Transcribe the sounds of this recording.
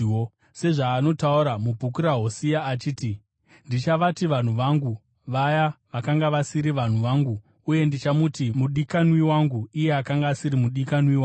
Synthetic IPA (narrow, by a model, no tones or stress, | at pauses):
se̞ʐaːno̞tauɾamubʱuk̬uɾaɦosijaːt͡ʃiːti | ndit͡ʃaʋatiʋan̤uʋaŋɡu | ʋajaʋakaŋɡaʋasiɾiʋan̤uʋaŋɡuː | je̞ndit͡ʃamutimuɗikanwiwaŋɡuije̞akaŋɡaːsiɾimuɗikanwiwa